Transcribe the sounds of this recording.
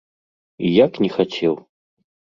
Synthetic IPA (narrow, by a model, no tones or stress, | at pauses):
ijaknʲɛxat͡sʲʰɛw